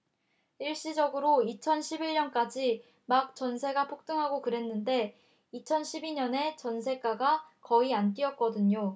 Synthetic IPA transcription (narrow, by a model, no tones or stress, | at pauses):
iɭɕ͈id͡ʑʌɡɯɾoit͡ɕʰʌnɕʰibiɭɲʌnk͈ad͡ʑi | mak̚t͡ɕ͈ʌnsʰe̞ɡapʰok̚t͈ɯŋɦaɡokɯɾe̞nːɯnde̞ | it͡ɕʰʌnɕʰibiɲʌne̞t͡ɕʌnsʰe̞k͈aɡakʌiant͈iʌt̚k͈ʌdɯɲo